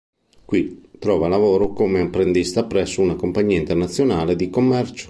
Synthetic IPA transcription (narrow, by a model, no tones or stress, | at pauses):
kwit̪ɾɔːvalavoːɾokomeampɾend̪ist̪apɾɛsːounakompaɲːiːaint̪ernat̪sːjonaːled̪ikomːɛrt͡ʃo̥